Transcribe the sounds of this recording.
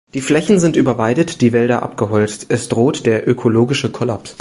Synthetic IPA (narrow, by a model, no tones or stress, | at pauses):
d̥iːflɛçn̩zɪntʔyːbɐvaɪdətd̥iːvɛldɐʔa̰p̚ɡ̥əɦɔlt͡stʔɛsd̥ʁoːtd̥eːɐʔøkʰoloːɡɪʃəkʰɔlaps